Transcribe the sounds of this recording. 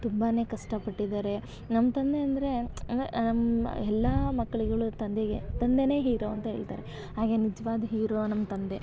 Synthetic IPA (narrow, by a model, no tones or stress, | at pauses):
t̪umbane̞ːkɐʂʈɐpɐʈːid̪aːɾe̞ | nɐmːɐt̪ɐnd̪e̞ɐnd̪ɐɾe̞ɐndenɐmːɛlːamɐkːɐɭiɡɐɭut̪ɐnd̪eɡḛt̪ɐnd̪e̞ne̞ːɦiːɾoːɐnt̪ɐɦeːɭt̪a̰ːɾe | ɦaːɡe̞nid͡ʒɐʋaːd̪ɐɦiːɾoːnɐmːɐt̪ɐnd̪e̞